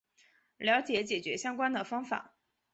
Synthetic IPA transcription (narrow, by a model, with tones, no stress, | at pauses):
ljɑ˧˥ʊt͡ɕjɛ˧˥t͡ɕjɛ˨˩t͡ɕɥɛ˧˥ɕjɑ˥ŋkwa˥nd̪ə˨fɑ˥ŋfa̰˨˩˦